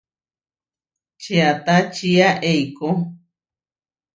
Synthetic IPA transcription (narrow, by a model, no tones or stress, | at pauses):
t͡ʃeat̪at͡ʃiaʔejko